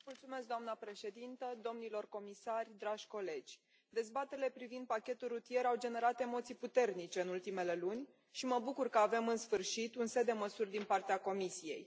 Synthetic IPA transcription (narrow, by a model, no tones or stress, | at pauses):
mult̪sume̞s̬k̚d̪oamnəpɾe̞ʃe̞d̪int̪əd̪o̞mnilo̞rko̞misarʲd̪ɾaʒʲko̞le̞d͡ʒʲ | d̪e̞zbat̪eɾile̞pɾivind̪̚pakʲe̞t̪ulːut̪ije̞ɾawd͡ʒe̞ne̞ɾat̪e̞mo̞t̪sijput̪e̞rnit͡ʃe̞ɨnult̪ime̞le̞lunʲ | ʃiməbukurkəave̞mɨnsfɨrʃit̪unse̞d̪e̞məsurʲd̪inpart̪eako̞misije̞̰j